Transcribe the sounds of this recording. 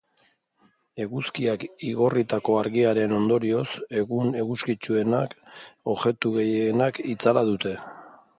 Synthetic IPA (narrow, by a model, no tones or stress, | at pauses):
e̞ɣuskiakiɣo̞rit̪ako̞aɾɣiaɾe̞no̞nd̪o̞ɾio̞se̞ɣune̞ɣuskit͡ʃue̞nako̞ʝe̞t̪uɣe̞jːnakit͡salaðut̪e̞